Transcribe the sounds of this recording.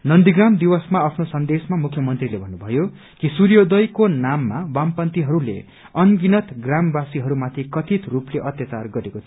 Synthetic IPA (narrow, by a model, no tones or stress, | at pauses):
nʌnd̪iɡramd̪iwʌsmaʌpʰnosʌnd̪esmamukʰjʌmʌnt̪rilebʱʌnːubʱʌjo | kisuɾjod̪ʌjkonamːawampʌnt̪iɦʌɾulḛ | ʌnɡinʌt̪ɡrambasiɦʌɾumat̪ʰikʌt̪ʰit̪rupleʔʌt̪jʌt͡sarɡʌɾekot̪ʰi